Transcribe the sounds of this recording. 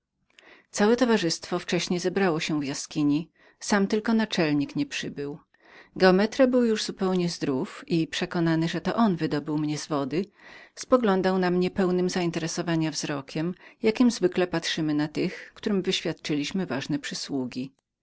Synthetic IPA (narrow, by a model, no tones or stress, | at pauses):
t̪sawɛt̪ɔvaʐɘst̪fɔft͡ʂɛɕɲɛjzɛbɾawɔɕɛvjaskʲiɲi | samt̪ɘlkɔnat͡ʂɛlɲikɲɛpʂɘbɘw | ɡɛɔmɛt̪ɾabɘwjuʐzupɛwɲɛzd̪ɾufipʂɛkɔnanɘʐɛt̪ɔʔɔnvɘd̪ɔbɘwmɲɛzvɔd̪ɘspɔɡlɔnd̪awnamɲɛpɛwnɘmzaint̪ɛɾɛsɔvaɲavz̥ɾɔkʲɛmjakʲimzvɘklɛpat̪ʂɘmɘnat̪ɘxkt̪uɾɘmvɘɕfʲjat̪̚t͡ʂɘlʲiɕmɘvaʐnɛpʂɘswuɡʲi